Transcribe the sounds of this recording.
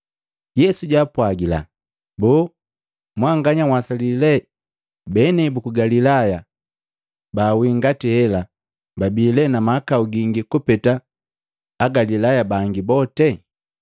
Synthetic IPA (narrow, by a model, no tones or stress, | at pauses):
jɛsuɟaːpwaɡila̰ | bɔː | mwaŋɡaɲawasalilɛ | bɛnɛbukuɡalilaja | baːwiŋɡatihɛla | babiːlɛnamakauɡiŋɡikupɛtaː | ɡalilajabaŋɡibɔtɛ